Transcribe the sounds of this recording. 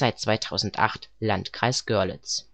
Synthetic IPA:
aɪt̚t͡sv̥aɪtʰaʊzn̩tʔa̰χtlantkʁ̥aɪsɡ̥œɐlə̰t͡s

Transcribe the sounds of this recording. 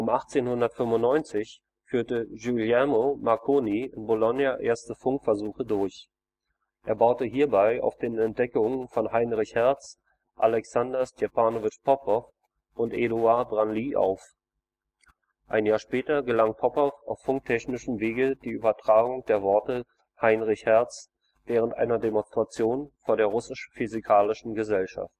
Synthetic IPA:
ʔʊmʔaχt͡seːnhʊndɐtfʏmʊntnɔʏnt͡sɪç | fyːɐtəʒuljamomakʰoːniɪnbolɔnjaʔeːɐstəfʊŋkfɛɐzuːxədʊɐç | ʔeːɐbaʊtəɦiːɐbaɪa̰ʊfd̥eːnɛntd̥ɛkʊŋəfɔnɦaɪnʁɪçhɛɐt͡s | ʔalɛksandɐstɛpʰaːnovɪt͡ʃpʰɔpɔf | ʔʊntʔeduabʁanliːʔa̰ʊf | ʔaɪnjaːɐʃpɛːtɐɡəlaŋpʰɔpɔfaʊfːʊŋk̚tʰɛçnɪʃəmveːɡəd̥iːʔyːbɐtʁ̥aːɡʊŋd̥eːɐvɔɐtə | haɪnʁɪçhɛɐt͡s | v̥ɛːʁ̞əntʔa̰ɪnɐdemɔnstʁ̥at͡sjoːnfoːɐɾdeːɐʁ̞ʊsɪʃfyzikʰaːlɪʃn̩ɡəzɛlʃa̰ft

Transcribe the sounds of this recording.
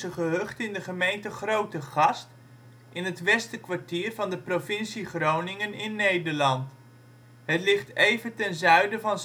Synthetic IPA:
əχəɦøχtɪndəχəmejntəχrowtəχɑst | ʔɪnɦətʋɛstəkʋaɹtiːrvɑndəprovɪnsiχrownɪŋənɪnːejdəɹlɑnt | ɦətlɪχtejvətɛnzœɥdəvɑn

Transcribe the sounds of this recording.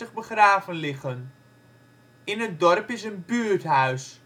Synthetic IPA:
əχbəχraːvənlɪχən | ɪnɦət̚dɔrpɪsənbyːɹtɦœɥs

